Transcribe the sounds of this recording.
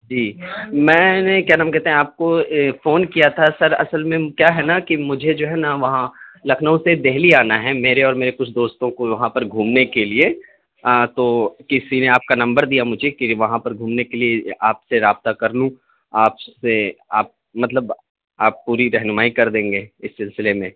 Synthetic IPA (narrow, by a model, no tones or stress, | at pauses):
d͡ʒiːmɛ̃ːnekjaːnaːmkɛɦt̪ẽɦɛ̃aːp̚kofoːnkijat̪ʰasɐɾɐ̰səlmẽkjaːɦɛnakimʊd͡ʒʱed͡ʒoːɦɛnaʋɐɦãlɐkʰnəũsed̪eɦliaːnaɦɛmeːɾeɔːɾmeːɾekʊt͡ʃʰd̪oːst̪õkoʋɐɦãpɐɾɡʱuːmnekelie | t̪okɪsineaːp̚kanɐ̃mbəɾd̪ijamʊd͡ʒʱekiʋɐɦãpɐɾɡʱuːmnekelieaːpseɾaːb̚t̪akɐɾnũ | aːpseaːp̚ | mɐt̪ləb | aːpːuːɾiɾɛɦnmaːikɐɾd̪ẽːŋɡeːɪsːɪlsɪlemẽː